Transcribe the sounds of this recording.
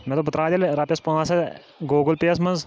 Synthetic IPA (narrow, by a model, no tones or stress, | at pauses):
mɛ̃t̪oːp̬ʊt̪ːɾaːd̪ʲɐlɾaːpʲjɐspɐãːsɐ | ɡoːɡəlpeɐsmɐnz